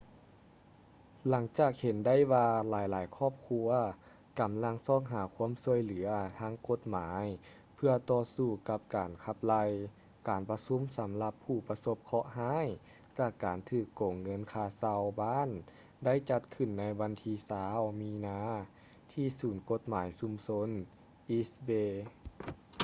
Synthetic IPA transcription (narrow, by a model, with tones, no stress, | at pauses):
la˩˦ŋt͡ɕaː˧˩k̚he˨˦nda˥˩˨jwaː˧laː˨˦jlaː˨˦jkʰɔː˥˩p̚kʰu˧ɐ | ka˨˩mla˧˥ŋsɔː˧˩˨ŋɦaː˨˩˦kʰu˧˥əmsu˧əjlɯ˨˩˦ɐt̪ʰaː˧˥ŋko˧˦t̪̚maː˨˦j | pʰɯ˧ɐt̪ɔː˧suː˧˩ka˧˥p̚kaː˨˩nkʰa˧˥p̚la˧j | kaː˨˩npa˧su˧˥˨msa˨˦mla˧pʰːuː˧˩pa˧so˧˥p̚kʰɔ˧˥ʔhaː˧˥˨j | t͡ɕaː˧˩kːaː˨˩nt̪ʰɯː˧˩kːoː˨˩ŋːɤ˧˥˨nkʰaː˧˩sa˧wbaː˥˨n | da˥˨jt͡ɕa˧t̪̚kʰɯ˧˩˨nːa˧˥jʋa˧˥nt̪ʰiː˧˥saː˨˧˦wmiː˧˥naː˧˥ | t̪ʰiː˧˩suː˨˩˦nko˧˥t̪̚maː˨˦jsu˧˦mso˧˥˨n | ʔi˧sbeː˧